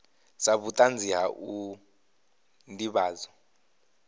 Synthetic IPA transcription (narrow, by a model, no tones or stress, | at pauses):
saβutʼand͡zʱiɦaʔu | ndiβaːzɔ